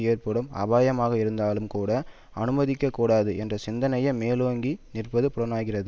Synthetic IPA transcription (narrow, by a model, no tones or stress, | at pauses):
jeːɾpɯɽɐmɐ̰baːjɐmaːɣɐɪɾɯnd̪aːlɯmkuːɽɐ | ɐnɯmɐðɪkːɐkːuːɽaːðɯʔɛndrɐsɪnd̪ɐnɐjɐmeːloːŋɡinɪrpɐðɯpʊɽɐnaːɣɪrɐðɯ